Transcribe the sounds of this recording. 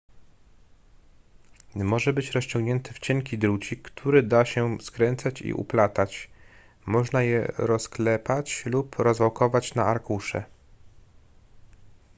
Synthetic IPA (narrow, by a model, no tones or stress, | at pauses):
mɔʐɛbɘt͡ɕɾɔɕt͡ɕɔŋɡɲɛnt̪ɘft͡ɕɛŋkʲid̪ɾut͡ɕikːt̪ʰuɾɘd̪aɕɛskɾɛnt̪sat͡ɕḭʔṵplat̪at͡ɕ | mɔʐnajɛ̰ɾɔsklɛpat͡ɕlupɾɔzvɔwkɔvat͡ɕnaaɾkuʂɛ̰